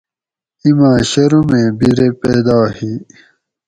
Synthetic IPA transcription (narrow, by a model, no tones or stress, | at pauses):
imãːɕɐɾumẽːbiɾepeːd̪aːhi